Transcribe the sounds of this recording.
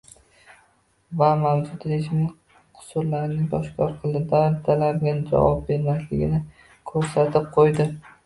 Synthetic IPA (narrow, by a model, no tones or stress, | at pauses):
vamawd͡ʒʊt̪ɾeʃmɪ | qʰʊ̥sʊɾlaɾnɪŋbɒʃkʲʰɒɾqʰɨlˠɪd̪aɾt̪ʰalaɾɡʲand͡ʒa̰vɒp̚be̞ɾmaslɪɡʲɪ̰nɪ | kʰɵɾsat̪ʰɪp̚qʰojd̪ɪ